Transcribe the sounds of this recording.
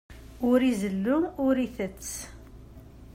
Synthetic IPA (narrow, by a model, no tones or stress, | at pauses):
ʊɾizəlːuʊɾiθət͡sː